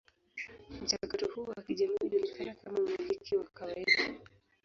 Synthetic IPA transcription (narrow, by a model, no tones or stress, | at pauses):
m̩t͡ʃakatɔhuːwakiʄamiːuʄulikʰanakamam̩milikʰiwakawaiɗa